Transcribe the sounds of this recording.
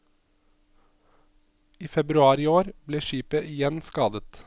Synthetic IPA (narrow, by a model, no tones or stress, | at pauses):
iːfɛbɾʉɑːɾɪoːɾbleːʃiːpəʔɪjɛnskɑːd̪ət̪